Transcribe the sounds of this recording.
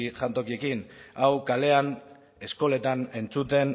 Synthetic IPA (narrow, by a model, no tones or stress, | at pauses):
ʝant̪o̞kie̞kinawkale̞an | e̞sko̞le̞t̪ane̞nt͡sut̪e̞n